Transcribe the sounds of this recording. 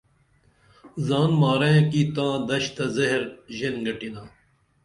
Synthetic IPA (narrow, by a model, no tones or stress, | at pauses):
zaːnmaːɾeẽkiːt̪ãːd̪ɐɕt̪ɐzɐɦɾʑenɡɐʈinaː